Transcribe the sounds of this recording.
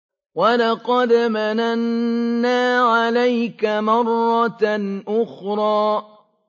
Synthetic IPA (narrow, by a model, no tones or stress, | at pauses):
walɑqɑd̪mananːaːʕalajkamɑrˤːɑnʔʊxɾˤɑː